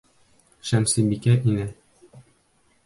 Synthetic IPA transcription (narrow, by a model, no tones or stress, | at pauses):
ʃæmsibikæʔinɘ